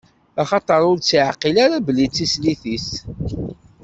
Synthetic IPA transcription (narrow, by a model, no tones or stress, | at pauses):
aχɑt̪ˤɑɾˤʊɾt͡sːiʕqilaɾabəlːit͡sːisliθis